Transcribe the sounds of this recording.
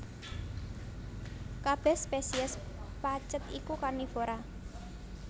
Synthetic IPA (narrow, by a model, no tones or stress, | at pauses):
kab̥ɛ̤spesiəs | pat͡ʃət̪ikukarnifoɾa